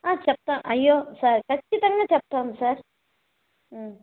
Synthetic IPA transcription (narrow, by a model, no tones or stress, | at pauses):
ãːt͡ʃɐp̚t̪aːmʔɐjːoːsaɾkɐt͡ʃːit̪ɐŋɡat͡ʃɛp̚t̪aːmsaːɾ